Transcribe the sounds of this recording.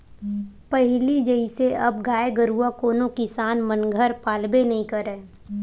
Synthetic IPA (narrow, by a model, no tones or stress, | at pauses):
pəɦɪlid͡ʒəɪseɐbɡaːeɡəɾuakoːnõkɪsaːnmənɡʱəɾpaːlbenɐɦĩkɐɾɛː